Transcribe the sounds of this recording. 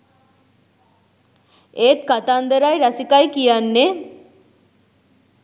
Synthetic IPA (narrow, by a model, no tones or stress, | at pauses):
eːt̪kat̪and̪əɾajɾasikajkijanːe